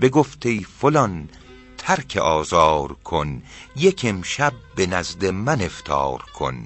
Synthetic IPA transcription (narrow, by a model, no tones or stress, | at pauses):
be̞ɡoft̪ʰe̞jfolɒn | t̪ʰæɾkʰeʔɒːzɒːɾkʰonjekʰemʃæb̚ːenæzd̪e̞mæne̞ft̪ʰɒ̰ːɾkʰo̞̰n